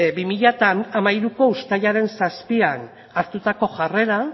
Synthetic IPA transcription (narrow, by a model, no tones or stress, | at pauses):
bimiʎat̪aːmaiɾuko̞ust̪ajaɾe̞nsaspian | aɾt̪ut̪ako̞ʝare̞ɾa